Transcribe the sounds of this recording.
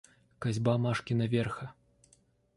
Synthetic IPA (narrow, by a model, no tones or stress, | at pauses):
kazʲbamaʂkʲinɐvʲɛrxɐ